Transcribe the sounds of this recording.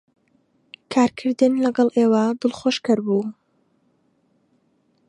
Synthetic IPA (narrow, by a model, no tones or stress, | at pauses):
kʰaːɾkʰɨɾd̪ɨnlɐɡɐlˠʔeːwad̪ɨlˠχoːʃkɐɾbuː